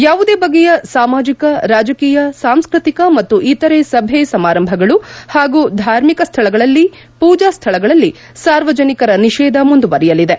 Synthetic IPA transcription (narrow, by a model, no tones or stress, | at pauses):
jaːʋud̪eːbɐɡːɛjɐsaːmaːd͡ʒikɐɾaːd͡ʒɐkiːjɐsaːmskɾit̪ikɐmɐt̪ːuʔit̪ːɐɾesɐbʱesɐmaːɾɐmbʱɐɡɐɭuhaːɡuːd̪ʱaːɾmikɐst̪ʰɐɭɐɡɐɭɐlːi | puːd͡ʒaːst̪ʰɐɭɐɡɐɭɐlːi | saːɾʋɐd͡ʒɐnikɐɾɐniʃɛːd̪ɐmund̪uʋɐɾijɐlid̪e